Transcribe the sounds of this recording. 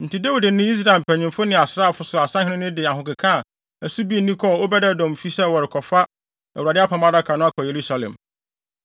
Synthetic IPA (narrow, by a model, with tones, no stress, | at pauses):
n̩˨tʰi˨da˦wu˨dɪ˨nɪ̃˦i˦s̬ɾa˨ɪ˨m̩˨pʰæ˨ɲɪ̃˨mfʊ˦nɪ̃˨a˨sɾa˦a˨fʊ˨sʊ˨a˨sã˦hɪ̃˦nɪ̃˦nɪ̃˦dɪ˨a˨ɦʊ̃˨kɪ˨kʰã˦˨ | æ˨su˦bi˦˨nĩ˦kʰɔ˦˨o˦bɛ˦dɛ˦˨dɔ̃˨m˨fi˦sɛ˦wɔ˨ɾɪ˨kʰɔ˨fa˦ | æ˨u˨ɾa˨dɪ˦a˦pʰã˨mã˦da˦kʰa˨nʊ̃˦a˦kʰɔ˨je˨ɾu˦sa˨lɛ̰̃˨m